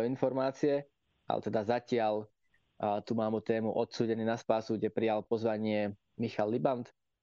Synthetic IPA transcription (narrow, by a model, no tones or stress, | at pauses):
infɔɾmaːt͡siɛ | ʔa̰lɛ̰t̪ɛd̪azacɪal | t̪umaːmut̪ɛːmuʔɔt̪suːɟɛniːnaspaːsuɡɟɛpɾijalpɔzʋaɲɪɛ | mixalːibant̪